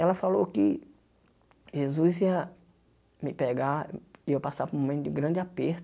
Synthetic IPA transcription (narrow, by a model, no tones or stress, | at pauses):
ɛlɐfalowkɪ | ʒezuziɐ | mɪpɛɡaɪewpasapʊɾumõmẽnt̪ʊd͡ʒɪɡɾɐ̃d͡ʒɪapeɾt̪